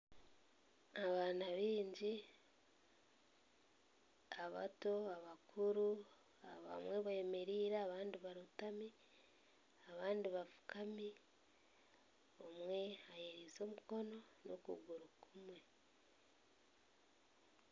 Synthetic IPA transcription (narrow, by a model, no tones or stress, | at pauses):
aβaːnaβiːɲɟi | aβa̰to̞aβakʰuɾu | aβa̰mwe̞βaeme̞ɾiːɾaːβaːndiβaɾutami | aβaːndiβafu̥kʰami | omwe̞ajeɾizo̞ːmuko̞no̞ | no̰kṵɡuɾukumwe̞